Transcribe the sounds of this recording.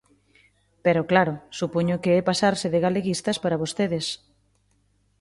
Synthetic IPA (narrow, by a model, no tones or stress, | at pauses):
peɾoklaɾʊsupoɲʊkeɛpasaɾsɪðɪɣaleɣist̪ɐspaɾɐβost̪eðɪs